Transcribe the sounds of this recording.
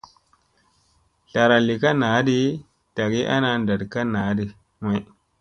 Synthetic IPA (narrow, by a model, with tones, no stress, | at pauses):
ɬa˨ɾa˨li˨ka˦na˨˦di˦ | ta˨ɡi˦ʔa̰˦na˨nda˨dka˦na˨˦di˨ | ma˦